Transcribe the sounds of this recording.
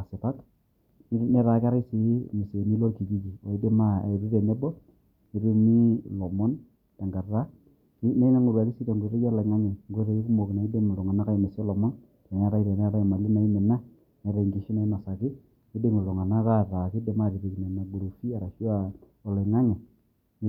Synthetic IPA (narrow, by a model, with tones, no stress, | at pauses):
a˨sɪ˨ta˦k | n˦ne˦ɾa˨kɪ˦a˦ɾa˦i˦si˦me˨se˨ni˦lo˦ki˨ki˦ki˨o˨i˦de˦ma̰˦˨ɾɪ˦ɾe˨ne˦bɔ˦ | nɪ˦ɾɪ˦ni˦lo˨mɔ˦n | ta˨ŋɡa˨ra˦ | ne˦ŋa˦ŋo˨ɾwa˨ki˦si˦to˨ŋɡɾe˦ɡa˦la˨ŋa˦ɲɛ˨ŋɡo˦ɾe˨i˦ku˦mo˨kna˨i˦de˦m˨lo˨ŋa˨na˦ka˦i˨me˨sɔ˦lɔ˨mɔ˦n | ke˨n˦a˦ɾa˦i˨ɾe˨ne˦ɾa˦i˨ma˨lɪ˦na˨i˦mɪ˨na˦ | ne˨˦ɾa˨ŋɡi˦ʃi˦na˨i˦ma˨sa˨kɪ˦ | ni˦de˦ŋi˨lo˨ŋa˨na˦ka˦ɾa˨kɪ˦de˨ma˦˨ɾi˨ɾi˨kne˨na˨ɡ͡bu˨ɾu˨fi˦a˨ɾa˨ʃa˦ | ɔ˨la˨ŋa˦ŋɛ˨